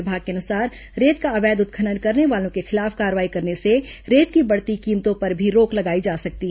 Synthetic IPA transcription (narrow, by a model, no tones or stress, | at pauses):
bʱaːɡ̚keɐnʊsaːɾ | ɾeːt̪̚kaɐʋɛːd̪ʊt̪̚kʰənənkɐɾneʋaːlõkexɪlaːfkaːɾʋaːikɐɾneseɾeːt̪̚kibɐɽt̪ikiːmt̪õpɐɾbʱiɾoːklɐɡaːid͡ʒaːsɐk̚t̪iɦ